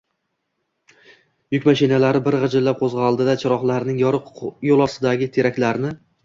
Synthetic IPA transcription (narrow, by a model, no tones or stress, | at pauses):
jʊkʲmaʃɪnalaɾɪbɪɾʁɨd͡ʒɪlːap̚qʰozʁɑɒlˠd̪ɪd̪at͡ʃʰɪɾɒχlˠaɾnɪŋjɒɾɨqjolˠɒsɪd̪aɡʲɪt̪ʰe̞ɾakʲlaɾnɪ